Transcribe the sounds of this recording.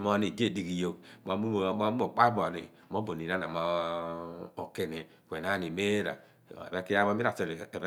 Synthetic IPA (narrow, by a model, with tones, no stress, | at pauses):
mo˦ni˨de˦˨di˨ki˨jo˨mo˨˦mu˦˨˦o˨k͡pa˦bo˨nḭ˨mo˨˦bo˨ni˨na˦na˨ma˨ | o˨ke˦˨ne˨ | kʷe˨na˨˦˨ni˨me˦ɾa̰˨ | e˦ki˦a˦mo˦mi˦ɾa˨se˨ɾ